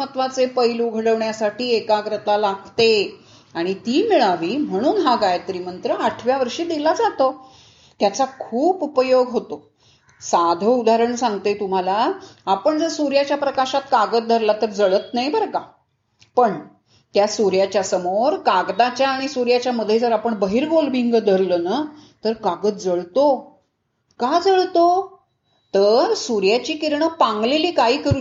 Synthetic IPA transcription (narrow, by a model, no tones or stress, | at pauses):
ət̪ʋat͡sepəjluɡʱəɽəʋɳjasaʈiːekaɡɾət̪alaɡt̪e | aɽ̃it̪iːmiɭaʋiːm̤əɽ̃uːnɦaɡajt̪ɾiːmənt̪ɾəaʈʰʋjaʋəɾʂiːd̪ilad͡zat̪o | t̪jat͡sakʰuːpupəjoɡɦot̪o | sad̪ʱəud̪ʱaɾəɳsãŋɡt̪et̪um̤alaapəɳd͡zəsuɾjat͡ɕjapɾəkaɕat̪̚kaɡət̪̚d̪ʱəɾlat̪əɾd͡zəɭət̪najbʱəɾɡa | pəɳ | t̪jasuɾjat͡ɕjasəmoɾkaɡd̪at͡ɕjaːɽ̃isuɾjat͡ɕjaməd̪ʱːjed͡zəɾapəɳbəɦiːɾɡolbiŋɡəd̪ʱəɾlənat̪əɾkaɡət̪̚d͡zəɭt̪o | kad͡zəɭt̪o | t̪əɾsuɾjat͡ɕiːkiɾɳəpãŋɡleliːkaɦiːkəɾu